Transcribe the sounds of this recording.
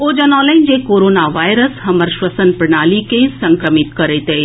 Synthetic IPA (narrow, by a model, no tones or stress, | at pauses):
oːd͡ʒɐnɔ̃ːlaind͡ʒekoːɾoːnaʋaːjɾəsɦɐməɾʃʋəsənpɾɐɳaːlikẽsɐ̃ŋkɾəmit̪kɐɾet̪eː